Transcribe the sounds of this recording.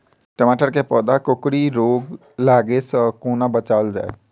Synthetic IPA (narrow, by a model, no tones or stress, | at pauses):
ʈəmaːʈəɾkepɔːd̪akokɾiɾoːɡ | laːɡesə̃koːnabət͡ʃaːld͡ʒa̰ːḛ